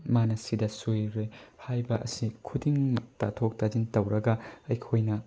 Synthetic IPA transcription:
manɐsidɐsujɾehajbɐʔɐ̰sikʰudiŋmɐk̚tɐtʰok̚tad͡ʒintɐwɾɐɡɐɐjkʰojnɐ

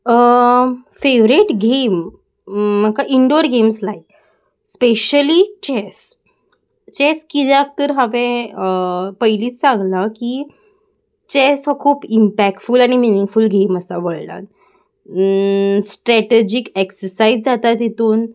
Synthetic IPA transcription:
ə | feʋɾeʈɡem̤ː | əkaʔiɳɖoɾɡemslaik | speɕəlit͡ɕɛs | t͡ɕeskit̪ak̚t̪əɾɦaʋẽəpəiliːt͡ssãŋɡlaki | t͡ɕesɔkʰuːpimpæk̚ʈfuːlaɽ̃iminiŋɡfulɡʱeməsaʋəɭla̰t̪ | sʈɾæʈed͡ʑikeksəɾsaid͡zd͡zat̪at̪jet̪uːn

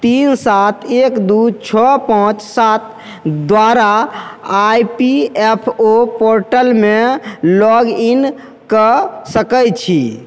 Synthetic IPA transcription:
t̪insat̪ʰekd̪ut͡ʃʰɔpãt͡ʃsat̪ | d̪ʋaɾaː | jpiepʰopoɾʈəlmelɔɡin | kəsəkəjt͡ʃʰi

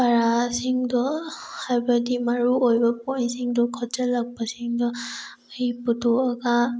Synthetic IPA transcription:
baɹasiŋdɔhajbadimaɹuojbapɔjnsiŋdɔkʰɔzalaɡ̚basiŋdɔ | hiputʰɔaɡa

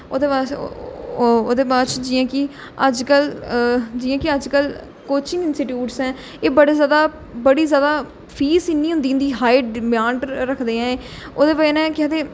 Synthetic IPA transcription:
o̰ːd̪eːbaː | oːd̪eːbaːt͡ʃd͡ʒɪjãːkɪ | əd͡ʒkəl | d͡ʒɪːjãːkɪəd͡ʒkəl | koːt͡ʃɪ̃ŋɡɪnsʈɪʈjuːʈsɦɛ̃ː | eːbəɽeːzjaːd̪aː | bəɽiːzjaːd̪aː | pʰiːsɪnːĩːɦʊ̃nd̪iːnd̪iːɦaːɪɖbɪjaːɳʈɾəkʰd̪eːɛ̃ːeː | oːd̪eːbəenɛ̃ːkɛːd̪eː

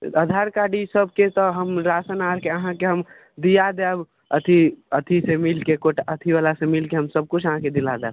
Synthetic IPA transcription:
əd̪ʱaɾkaɖisəbʱket̪ɔɦəmɾasənaɾkeəɦãkeɦəm | d̪ijad̪ɛb | ət̪ʰiət̪ʰisemilkekoʈaət̪ʰiʋalasemilkeɦəmsəb̚kut͡ʃʰəɦãked̪ilad̪ɛb

